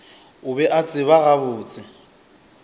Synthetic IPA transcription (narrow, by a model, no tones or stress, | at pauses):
ʊbɛʔat͡sʼɪβaɣabʊːt͡sʼɪ